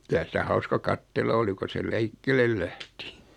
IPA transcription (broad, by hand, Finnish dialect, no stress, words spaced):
kylæ sitæ hɑuskɑ kɑtːelːɑ oli ko se lɛikːelel læhti